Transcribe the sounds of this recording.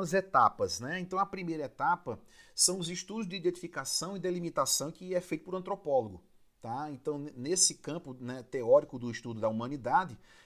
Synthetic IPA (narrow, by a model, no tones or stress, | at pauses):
ɐzet̪apɐznɛẽnt̪ɐ̃w̃ɐpɾimejɾɐet̪apɐsɐ̃w̃ʊziʃt̪ud̪ʊzd̪ɪiːd̪ẽnt̪ifikasɐ̃w̃id̪elimit̪asɐ̃w̃kɪɛfejt̪ʊpʊɾɐ̃nt̪ɾopɔloɡʊ | t̪aẽnt̪ɐ̃w̃nesɪkɐ̃mpʊnɛt̪eɔɾikʊd̪ʊiʃt̪ud̪ʊd̪ɐumɐ̃nid̪ad̪ɪ